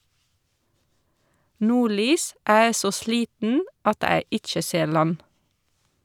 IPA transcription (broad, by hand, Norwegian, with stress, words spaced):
ˈnuːˌɭyːs ˈʔæː ˈeː ˈsoː ˈʃliːtn̩ʔ ˈɑt ˈæː ˈɪt͡ʃə ˈseːɹ ˈlɑn